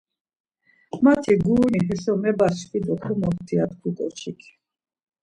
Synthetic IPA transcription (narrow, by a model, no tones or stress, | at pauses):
mat̪ʰiɡuːniɦɛsɔmɛbasfid̪ɔχʰɛmɔχt̪ʰiat̪kʰut̪ʼɔ̰t͡ʃʰikʰ